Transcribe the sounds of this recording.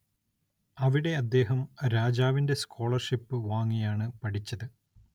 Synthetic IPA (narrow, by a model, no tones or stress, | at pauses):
ɐʋiɽe̞ɐd̪ːe̞ːɦɐmɾaːd͡ʑaːʋinde̞skʰo̞ːɭɐrʂipːɨʋaːŋːijaːɳɨpɐʈʰit͡ɕːɐðɨ